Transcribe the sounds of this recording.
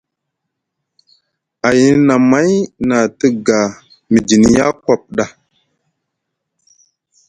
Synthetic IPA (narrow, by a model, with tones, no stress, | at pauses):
a˨ji˦na˨ma˦jna˨tə˦ɡa˨ | mi˨d͡ʒi˨n˨ja˦kwa˦˨p̚ɗa˦